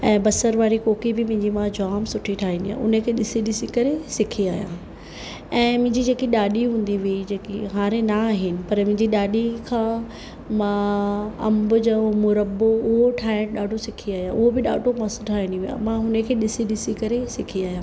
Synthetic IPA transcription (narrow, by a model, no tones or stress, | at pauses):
ɛ̃ːbɐsəɾʋaːɾikoːkibɪmʊ̃ɦɪ̃ɲd͡ʑimãd͡ʑaːmsʊʈʰiʈʰaːɦĩnd̪ijã̰ʊ̰nəkʰeːɗɪsiɗɪsikɐɾesɪkʰiaːɦijã̰ː | ɛ̃ːmʊ̃ɦɪ̃ɲd͡ʑid͡ʑeːkiɗaːɗiɦũːn̆d̪iʋiid͡ʑeːkiɦaːɾenaːɦɪnɪ̆pɐɾmʊ̃ɪ̃ɲd͡ʑiɗaːɗikʰãː | mãɐ̰mbʊd͡ʑaːmʊɾəboʊɦoʈʰaːɪɽɗaːɖʱosɪkʰiaːjãʔʊɦobɪɗa̰ːɖʱomɐsʈʰaːɦĩnd̪iʋiã̰mãɦʊnəkʰeːɗɪsiɗɪsikɐɾesɪkʰiaːɦjãː